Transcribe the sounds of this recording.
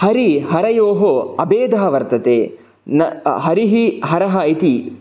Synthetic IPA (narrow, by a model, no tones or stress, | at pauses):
hɐɾiɦɐɾɐjoːɦoɐbeːd̪ɐɦɐʋɐɾt̪ɐt̪eː | nɐɦɐɾiɦiɦɐɾɐɦɐit̪i